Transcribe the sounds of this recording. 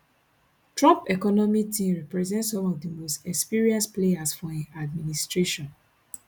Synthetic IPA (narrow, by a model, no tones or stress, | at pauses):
tɹɔ̃mpɛkɔnɔmik̚tʰĩmɹɛpɹɛzɛ̃ntsɔ̃mɔvdimostɛkspiɹiãnspleasfɔĩad̚ministɹeʃɔ̃n